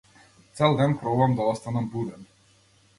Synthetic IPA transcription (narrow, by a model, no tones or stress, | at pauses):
t̪sɛlˠd̪ɛnkɾɔvamd̪aɔst̪anambud̪ɛn